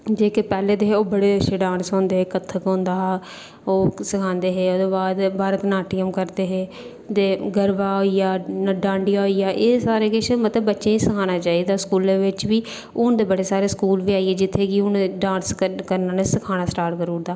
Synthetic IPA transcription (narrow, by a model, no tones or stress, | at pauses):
d͡ʒeːkepɛːleːd̪eːɦeoːbəɽeːəʃʰeːɖãːnsõːnd̪eːɦeːkət̪ʰːəkõːnd̪aː | oːsəkʰãːnd̪eːɦeːoːd̪oːbaːd̪bʱaːɾət̪naːʈiːəmkəɾd̪eːɦeː | t̪eːɡəɾʋaːɦoːijaːnəɖãːɳɖɪjaːɦoijaːʔeːsaːɾeːkɪt͡ʃmət̪ləbːətːʃẽːiːsəkʰaːnaːt͡ʃaːiːd̪aːskuːleːʋɪt͡ʃʋiː | ʊnd̪eːbəɽeːsaːɾeːskuːlʋiːaːieːd͡ʒɪt̪ʰːeːɡiːʊnːɖãːnskəɾnaːneːsəkʰaːnaːsʈaːɾzəɾuːɾd̪aː